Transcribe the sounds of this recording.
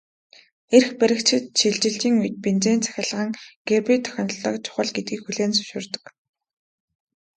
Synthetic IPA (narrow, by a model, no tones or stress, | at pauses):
erxpæɾʲɪ̆k̚t͡ɕʰɪ̆t̪ʃiɮt͡ɕɪ̆ɬt͡ɕiːŋujt̪̚pint͡ɕeːnt͡sʰæ̥xʲɪ̆ɮʁə̆ŋɡ̥erpijt̪ʰœ̥xʲɞ̆n̆ɮə̆kt͡ɕʰʊ̥χə̆ɮɡet̪̚ɡiːkxuɮeːnsɵ̥ʃʊ̆rt̪ə̥̆k